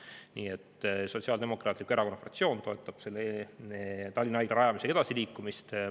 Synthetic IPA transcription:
niːet̪ːˑso̞t̪siɑld̪e̞mo̞kˑrɑːt̪likːˑueɾʔɑko̞nɑfrɑ̰kt̪sio̞ːnt̪o̞e̞t̪ːˑɑb̥se̞lːe | t̪ɑlʲːinɑɑjd̪̥ɑɾɑjɑmiseke̞d̪̥ɑsiliːkːˑumist̪

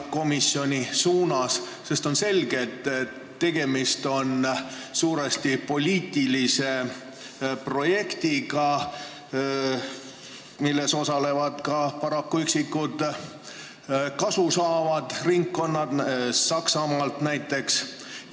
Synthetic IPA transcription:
ko̞misːjo̞nʲisuːnɑs | se̞st̪o̞nse̞lɡ̥e̞t̪ːˑ | t̪ːe̞ɡ̥e̞mist̪o̞nsuːɾest̪ipo̞lʲiːt̪ːˑilise̞ | pro̞je̞kt̪iɡɑ | milːe̞so̞sɑle̞vɑd̪̥kɑpɑɾɑkːuyksikːud̪̥ | kɑsusɑːvɑd̪̥riŋkːo̞nːɑd̪̥sɑksɑmɑːlt̪næjt̪ːˑe̞ks

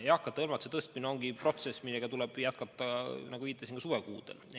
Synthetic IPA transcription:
ejɑkːˑɑt̪ːɑɤlmɑt̪uset̪ɤst̪̚minɑo̞ŋɡipro̞t̪se̞sːmilːeɡ̥ɑt̪ulɛb̥jæt̪̚kɑt̪ːˑɑnɑɡuviːt̪ːˑesiŋkɑsuːɾekṵːd̪̥el

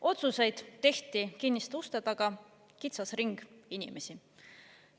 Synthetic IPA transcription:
ʔo̞t̪suse̞jd̪̥t̪e̞ht̪ikinːist̪ust̪ɑd̪ɑɡ̥ɑ | kit̪sɑsriŋɡ̥inʲḭme̞si

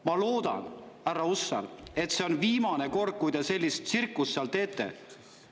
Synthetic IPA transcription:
mɑlo̞ːd̪̥ɑ̰nærːɑusːɑ̰le̞t̪ˑseo̞nviːmɑne̞ko̞rd̪̚kujd̪e̞se̞lʲːist̪sirkːust̪ːeɑlt̪e̞ːt̪ˑːe̞̰

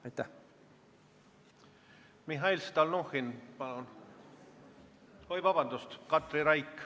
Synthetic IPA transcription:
ɑjt̪æ | miɦɑilst̪ɑlnoxinpɑn | hojvɑbɑnd̪ust̪kɑt̪riɾɑjkː

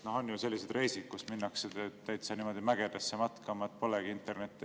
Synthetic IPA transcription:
noho̞nːjuse̞lːised̪re̞jsid̪̥̚kusminːɑksed̪ɑet̪ːæjt̪sɑnimo̞d̪̥imæɡ̥ed̪̥ɑsːemɑt̪kɑmɑet̪̚ːˑpo̞leɡ̥iint̪ːˑe̞rne̞t̪ˑːi

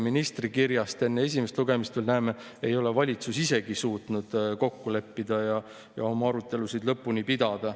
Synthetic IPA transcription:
minist̪rikirjɑst̪e̞nːee̞s̬ʲimest̪luɡe̞mist̪velnæːme̞ | e̞jo̞levɑlʲit̪susise̞ɡ̥isuːt̪nud̪̥ko̞kːule̞pːid̪̥ɑjɑ | jɑo̞mɑɑɾut̪ːˑe̞lusid̪lɤpːunipid̪ɑd̪̥ɑ

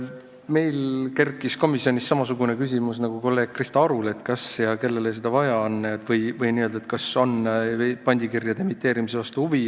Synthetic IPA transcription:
me̞jlke̞rkːˑisko̞misio̞nʲisːɑmɑsuɡune̞kys̬ʲimus̬nɑɡ̥uko̞lːe̞ːɡ̥̚krist̪ɑɑɾule̞t̪kɑsjɑke̞lːe̞le̞s̬ed̪̥ɑvɑjɑɑnːet̪vɤjvɤjniø̞ld̪ɑet̪̚kɑso̞npɑnʲd̪̥ʲikirjɑd̪̥e̞mit̪ˑːe̞ːɾimisevɑst̪uuvi

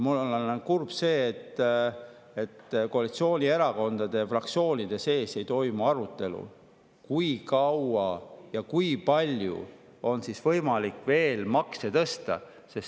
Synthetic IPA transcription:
mulːolenkurb̥se̞ːt̪ː | et̪ːko̞ɑlit̪sio̞ːnʲie̞ɾɑko̞nd̪̥ɑd̪̥e̞frɑk̚t̪sio̞ːnʲid̪e̞se̞ːse̞jt̪o̞jmuɑɾut̪ːˑe̞lṵ | kujkɑwɑjɑkujpɑlʲjṵ | o̞nsisvɤjmɑlikːˑve̞ːlmɑkse̞t̪ɤst̪ɑ̰ | se̞s

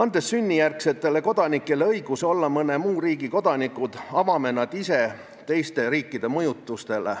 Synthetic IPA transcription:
ɑnd̪̥e̞sːynʲːijærkse̞t̪ːˑe̞le̞ko̞d̪̥ɑnikːˑe̞le̞ɤjɡ̥uso̞lːɑmɤne̞muːɾiːɡiko̞d̪̥ɑnikːˑud̪̥ɑvɑme̞nɑd̪̥ise̞ | t̪e̞jst̪e̞ɾiːkˑːid̪̥e̞mɤjut̪ːˑust̪e̞lḛ

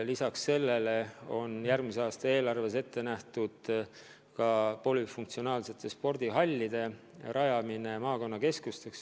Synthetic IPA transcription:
lisɑksːe̞lːe̞le̞o̞njærmiseɑːst̪ɑe̞ːlɑrve̞s̬e̞t̪ːe̞næht̪ud̪̥ | kɑpo̞lifuŋkt̪sio̞nɑːlse̞t̪ːˑe̞spo̞rd̪̥iɦɑlʲːid̪̥e̞ | ɾɑjɑmine̞mɑːko̞nːɑke̞skust̪e̞ks

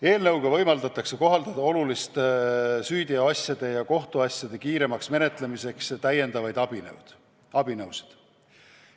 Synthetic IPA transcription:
e̞ːlnɤwɡ̥ɑvɤjmɑld̪ɑt̪ːˑɑkseko̞ɦɑld̪̥ɑd̪ɑo̞lulist̪syːd̪̥ʲiɑɑsjɑd̪̥e̞jɑko̞ht̪uɑsʲjɑd̪̥e̞kiːɾe̞mɑksme̞ne̞t̪ˑle̞mise̞kst̪æje̞nd̪̥ɑvɑjd̪̥ɑb̥in̰wd̪̥ | ɑb̥inɤwse̥d̪̥

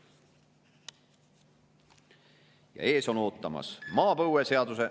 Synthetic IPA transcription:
jɑ̰e̞ːso̞no̞ːt̪ːˑɑmɑ̰smɑːpɤwese̞ɑd̪use̞

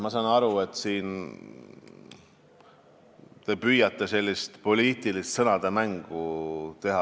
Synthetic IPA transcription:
mɑsɑnɑɾue̞t̪ːˑsiːn | t̪e̞pyjɑt̪ːˑe̞se̞lʲːist̪po̞lʲiːt̪ilist̪sɤnɑd̪̥emæŋɡ̥ut̪e̞ɦɑ

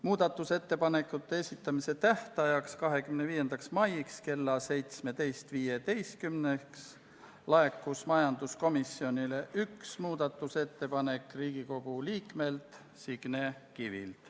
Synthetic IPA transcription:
muːd̪̥ɑt̪ːˑuse̞t̪ːe̞pɑne̞kːˑut̪ːeesʲit̪ːˑɑmise̞t̪æht̪ɑjɑkskɑɦe̞kymneviːje̞nd̪̥ɑksmɑjikske̞lːɑse̞jt̪sme̞t̪e̞jst̪viːjet̪e̞jst̪̚kymneks | lɑe̞kːˑusmɑjɑnd̪usko̞misːio̞nile̞ʔyksmuːd̪̥ɑt̪ːˑuse̞t̪ːe̞pɑne̞kːriːɡ̥iko̞ɡ̥uliːkˑme̞lt̪ | siɡ̥nekivḭlt̪

